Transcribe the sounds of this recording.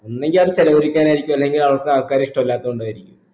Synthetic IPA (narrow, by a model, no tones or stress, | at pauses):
onːe̞ŋɡilɐðt͡ɕelɐʋɐɾikʲːaːnaːjiɾikʲːumɐlːe̞ŋɡilɐʋɐrkːɨaːkːaːɾɐiʂʈɐmɐlːaːt̪ːɐuɳɖaːjiɾikʲːum